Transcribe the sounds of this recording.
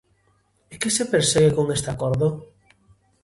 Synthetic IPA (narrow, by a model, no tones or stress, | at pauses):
ekesepeɾseɣekõŋd̪est̪akɔɾðʊ